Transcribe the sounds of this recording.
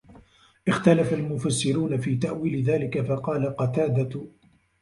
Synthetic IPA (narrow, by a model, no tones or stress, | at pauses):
ʔɪxt̪alafalmʊfasːɪɾuːnafiːt̪aʔwiːlɪðaːlɪkafɑqɑːlaqɑt̪aːd̪a